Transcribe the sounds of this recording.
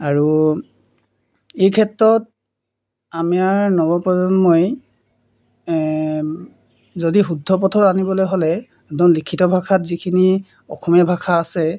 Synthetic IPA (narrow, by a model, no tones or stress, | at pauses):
aɹu | ejkʰɛtɹɔt̚ | amiaɹnɔbɔpɔzɔnmoj | zodiɦudʱɔp̬ɔtʰɔtanibɔlojɦolɛ | dɔnlikʰːitɔbʱakʰatzikʰini | ɔ̰kʰɔmɛbʱakʰaːsɛ